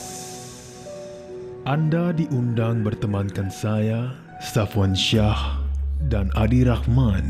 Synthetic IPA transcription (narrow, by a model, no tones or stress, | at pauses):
ʔandadiʔundaŋbərt̪əmankansaja | st̪afɔnʃahdanʔadiɾahman